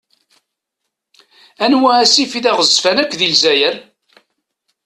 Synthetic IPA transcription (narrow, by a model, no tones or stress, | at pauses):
ænwææsifiðæʁəzfænækʷːðilzæjəɾ